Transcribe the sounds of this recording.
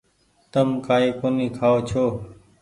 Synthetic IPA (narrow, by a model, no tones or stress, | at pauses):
t̪əmkaːiːkoːnĩːkʰaːoːt͡ʃʰoː